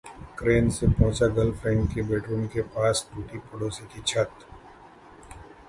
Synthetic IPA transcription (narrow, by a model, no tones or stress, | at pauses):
kɾeːnsepɔ̃ːt͡ʃaɡɐlfʰɾɛ̃ːɳʈkebeːʈɾuːnkepaːsʈuːʈipʊɽoːsik̪it͡ʃʰɐt̪